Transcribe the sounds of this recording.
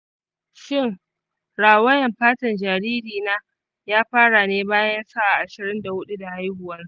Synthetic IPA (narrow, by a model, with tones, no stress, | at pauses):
ʃɪ˦˨ŋ | ɽaː˨wɐ˦jɐ˨mɸaː˦tɐ˨nd͡ʒaː˨ɾiː˦diː˨naː˦ | jaː˦ɸaː˦ɽa˨neː˦baː˦jɐ˦nsa˦ʔa˨ʔa˨ʃɪ˨ɾɪ˦nda˨hʊ˦ɗu˦da˨ha˦jhʊ˨wɐ˦n˦